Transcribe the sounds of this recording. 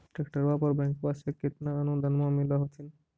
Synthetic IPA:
ʈakʈaɾbapɔɾbɛŋkpaʃeket̪naanud̪anmoamilaɦot̪ʰin

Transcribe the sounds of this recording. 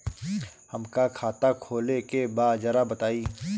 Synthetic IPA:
həmkakʰaːt̪akʰoːlekebaːd͡ʒɐɾabɐt̪aːiː

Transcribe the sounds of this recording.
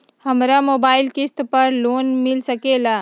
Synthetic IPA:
həmɾamoːbaːɪlkɪst̪pəɾloːnmɪlsəkela

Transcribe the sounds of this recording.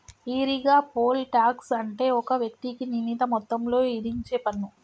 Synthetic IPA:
iːɾiɡaːpo̞ːlʈaːksɐɳʈe̞ːɔkɐʋjɐk̚t̪ikininit̪ɐmɔt̪ːɐmlo̞ːiɾiŋt͡ʃeːpɐnːu

